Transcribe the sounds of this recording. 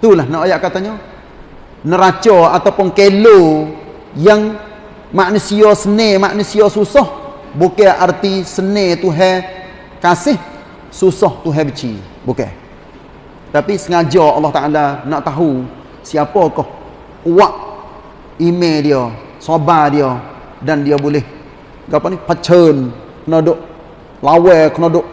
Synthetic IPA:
t̪ulahnaʔojaʔkat̪aɲɔ | nəɾat͡ʃɔat̪awpʊnkelo | jaŋ | maʔnusiɔsənemaʔnusiɔsusɔh | bukɛʔart̪isənet̪uɦɛ | kasɪh | susɔht̪uɦɛbət͡ʃḭ | bukɛ̰ | t̪apisəŋad͡ʒɔːlːɔht̪aʔalanaʔt̪aɦu | siapɔkɔh | uwaʔ | imediɔ | sobadiɔ | dandiɔbulɪh | ɡapɔnipat͡ʃən | kənɔdʊʔ | lawɛkənɔdʊʔ

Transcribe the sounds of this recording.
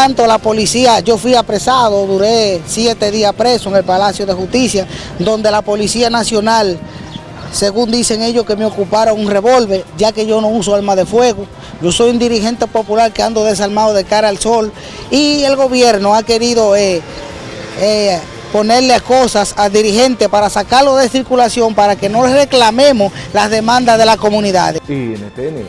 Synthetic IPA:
ant̪olapo̞lisiaʝo̞fwiapɾesaðo̞ðuɾe̞sje̞t̪e̞ðiaspɾe̞soeŋe̞lpalasjo̞ðexust̪isja | d̪o̞nd̪e̞lapo̞lisianasjo̞nal | se̞ɣund̪ise̞ŋe̞ʝoske̞meo̞kupaɾoŋunre̞βo̞lβe̞ʝake̞ʝo̞no̞usoalmaðe̞fwe̞ɣo | ɟ͡ʝo̞so̞jund̪iɾihe̞nt̪epo̞pulaɾkeand̪o̞ðe̞s̬almaðoðe̞kaɾaːlso̞l | ie̞lɣo̞βje̞ɾnoake̞ɾiðo̞e | e | po̞ne̞ɾleako̞sasad̪iɾihẽ̞nt̪epaɾasakaɾloðesiɾkulasjo̞mpaɾake̞no̞lere̞klamẽ̞moslazðe̞mãnd̪aðe̞lasko̞mũniða̰ðenet̪en

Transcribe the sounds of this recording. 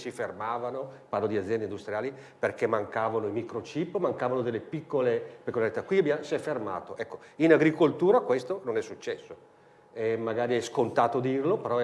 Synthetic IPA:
sifermaːvanopanːod̪iad̪zːjɛnd̪eind̪ust̪ɾjaːliperkɛmaŋkaːvanoimikɾot͡ʃipmaŋkaːvanod̪elːepikːolepikːolaɾit̪akwiabjasiɛfːerma̰ːt̪oʔɛkːoinaɡɾikolt̪uːɾakwest̪ononɛsːut͡ʃːɛsːo | ɛmaɡaːɾiɛskont̪aːt̪od̪irlopeɾɔ

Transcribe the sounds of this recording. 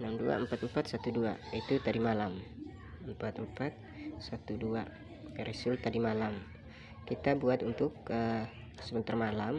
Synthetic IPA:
ənamdua̰əmpat̪əmpat̪sat̪uduait̪ut̪adimalam | əmpat̪əmpat̪̚sat̪udua | kaɾisʊlt̪adimalam | kit̪abuat̪unt̪ʊkə | səbənt̪armalam

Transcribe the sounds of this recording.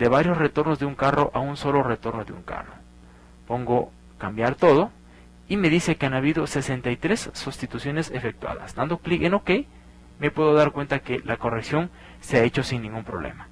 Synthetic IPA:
d̪e̞βaɾjo̞sre̞t̪o̞ɾnozðeuŋkaro̞ʔaunso̞lo̞ret̪o̞ɾnoðeṵŋka̰ro̞̰ | po̞ŋɡo | kambjaɾt̪o̞ðo̞ | ime̞ðise̞keanaβiðo̞se̞sent̪ajt̪ɾe̞sːust̪it̪usjo̞nesefe̞k̚t̪wa̰ða̰sd̪and̪o̞klikenokej | me̞pwe̞ðo̞ðaɾkwe̞nt̪akelʔako̞reksjo̞ŋ | seae̞t͡ʃo̞siŋnĩŋɡumpɾo̞βlḛma

